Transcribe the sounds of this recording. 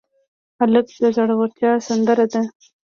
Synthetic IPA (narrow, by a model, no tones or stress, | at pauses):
aləɡd̪əzaɽawaɾt̪jɑsand̪əɾad̪a